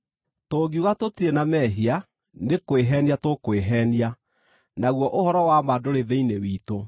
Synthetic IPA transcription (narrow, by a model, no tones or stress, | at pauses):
toːɡiuɣatotienamɛɦia | nekoeɦɛːniatokweɦɛːnia | naɣwɔʔohɔɾɔwamadoɾeðeinewiːto